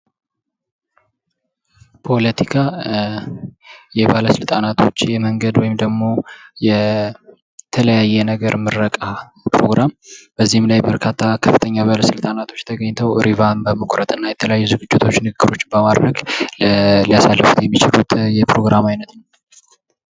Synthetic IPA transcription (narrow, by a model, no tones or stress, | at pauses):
pʰo̞lət̪ʰikʰa | jɛbaləsɨlt̪ʼanat̪ʰo̞t͡ʃːjɛməŋɡəd̪wɔjɪmd̪əɡmo̞jɛ | t̪ʰələjajːɛnəɡəɾmɨɾːəkʼa | pɾoɡɾamb̥əzːihɪmlajbəɾkʰat̪ʰːakʰəfːɨt̪ʰəɲːaβaləsɨlt̪ʼanat̪ʰo̞t͡ʃːt̪ʰəɡəɲːt̪ʰəwɾivambəməkʷʼɾət̪ʼɨnːajɛt̪ʰələjajːuzɨɡɨd͡ʒːɪt̪ʰo̞t͡ʃːnɨɡɨɡːɨɾo̞t͡ʃːbəmad̪ɾəɡ | lijasalːəfut̪jɛmːit͡ʃɪlut̪jɛpɾo̞ɡɾamajnət̪n